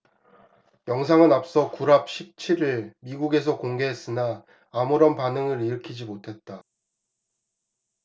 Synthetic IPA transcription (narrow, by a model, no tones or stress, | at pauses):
jʌŋs̬ʰaŋɯnap̚s͈ʌkuɾap̚ɕ͈ʰip̚t͡ɕʰiɾɯɭmiɡuɡe̞s̬ʰʌkoŋɡe̞ɦes͈ɯnaː | muɾʌnpanɯŋɯɾiɾɯkʰid͡ʑimotʰe̞t̚t͈a